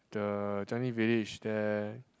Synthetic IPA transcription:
d̥ət͡ʃãnivilit͡ʃdɛ

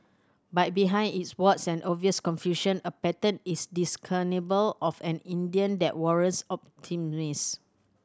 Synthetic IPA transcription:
bat̚biɦãɪ̃nitswɔtsɛ̃nʔɔviəskɔ̃nfjuʃə̃nəpɛtə̃ntisdiskʰənebəlɔfɛ̃nĩndiə̃ndɛ̰ʔ̚wɔɹə̃nsɔp̚tʰimis

